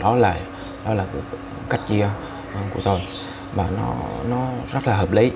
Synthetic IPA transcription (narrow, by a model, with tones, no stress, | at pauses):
ɗɔ˨˦la̰ː˧˩˨j | ɗɔ˨˦laː˨˩ | ka˦˥jk̟̚t͡ɕi˧ə˨˩ | ku˧˩ə˩t̪o˧j | maː˨˩nɔ̰˨˦nɔ˨˦zə˦˥t̚laː˨˩ɦəː˨˩p̚li˨˦